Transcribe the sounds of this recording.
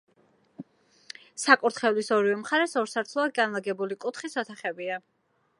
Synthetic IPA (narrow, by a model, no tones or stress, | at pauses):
sakʼuɾt̪ʰχɛvlisɔɾivɛmχaɾɛsɔɾsaɾt̪ʰlˠɔad̪̚ɡanlˠaɡɛbulikʼut̪ʰχisɔt̪ʰaχɛbia